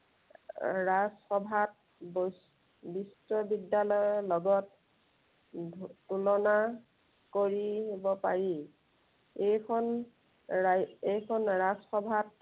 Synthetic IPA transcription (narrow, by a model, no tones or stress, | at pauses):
ɹasxɔbʱat̚ | bs | bistɔbidjalɔjɔlɔɡɔt̚ | tulɔna | koɹiɦebɔpaɹi | ejkʰɔn | ejkʰɔnɹasxɔbʱat̚